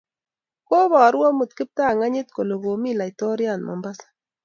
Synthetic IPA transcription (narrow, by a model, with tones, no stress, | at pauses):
ko˦bɔ˨˦ɾwɔ˦mu˨t̚kɪ˦p̚ta˦˨ŋa˦ɲɪ˦t̚ko˨lo˨ko˨mi˦la˨jto˦ɾja˨nmɔ̰˨mba˦s